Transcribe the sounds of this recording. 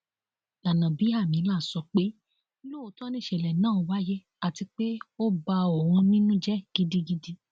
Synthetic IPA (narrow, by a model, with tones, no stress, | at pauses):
a˨nã˨bi˨˦a˦˨mĩ˨˦la˦˨sɔ˧k͡pe˦ | lo˦o˨˦tɔ˦nĩ˦˨ʃɛ˨lɛ˨nãː˦˨o˨˧wa˦jɛ˦ | a˨ti˧k͡pe˦o˦ba˧ɔ˨w̃ɔ̃˧nĩ˦nũ˦d͡ʒɛ˦ɡ̥i˦di˦ɡi˦di˦